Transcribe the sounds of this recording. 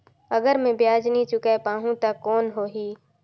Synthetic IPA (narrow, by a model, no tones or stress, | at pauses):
əɡəɾmẽbjaːd͡ʒnit͡ʃʊkepaːɦũt̪akɔːnɦoːɦiː